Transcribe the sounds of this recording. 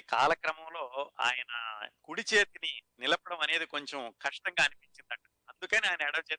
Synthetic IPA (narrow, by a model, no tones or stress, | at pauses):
ka̰ːlɐkɾɐmɐmlo̞ːa̰ːjɐnɐkuɽit͡ʃe̞ːt̪ininilɐpɐɽɐmɐne̞ːd̪iko̞ɲt͡ʃemkɐʂʈɐŋɡaːɐnipiɲt͡ʃind̪ɐkːɐ | ɐnd̪ukɐniaːjɐnɐɛɽɐmt͡ʃeː